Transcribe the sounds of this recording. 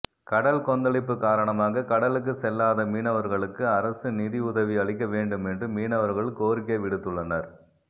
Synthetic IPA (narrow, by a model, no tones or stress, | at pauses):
kɐɽɐlkɔnd̪ɐɭɪpːɯkaːɾɐɳɐmaːɣɐkɐɽɐlɯk̬ːɯsɛlːaːðɐmiːnɐʋɐɾɣɐɭɯkːɯɐɾɐsɯniðiʊðɐʋiɐɭɪk̬ːɐʋeːɳɖɯmɛndrɯmiːnɐʋɐɾɣɐɭɯkːoːɾɪk̬ːɐɪʋɪɽɯt̪ːɯɭːɐnɐɾ